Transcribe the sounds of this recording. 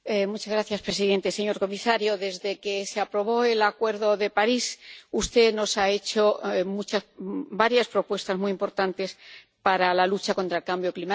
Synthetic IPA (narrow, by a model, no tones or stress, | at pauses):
emut͡ʃazɣɾaθjaspɾe̞s̬iðe̞nt̪e̞se̞ɲo̞ɾko̞misaɾjo̞ðe̞zðe̞ke̞seapɾo̞β̞o̞e̞lakwe̞ɾðo̞ðe̞paɾisust̪e̞no̞sae̞t͡ʃo̞mut͡ʃabaɾjaspɾo̞pwe̞st̪azmujimpo̞ɾt̪ant̪e̞s | paɾalalut͡ʃako̞nt̪ɾaelkambjo̞klima